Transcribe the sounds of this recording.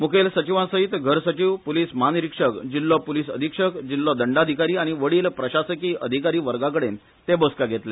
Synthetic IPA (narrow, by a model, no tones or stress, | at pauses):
mukʰelsət͡ɕiʋãsəɦit̪ɡʱəɾsət͡ɕiːʋpuliːsmanɾikʂəkd͡ʑilːɔpulisə̰d̪ʱikʂəkd͡ʑilːɔd̪əɳɖad̪ʱikaɾiːaɽ̃iʋəɽiːlpɾəɕasəkiːʔəd̪ʱikaɾiːʋəɾɡak̬əɽen | t̪eboskaɡʱet̪le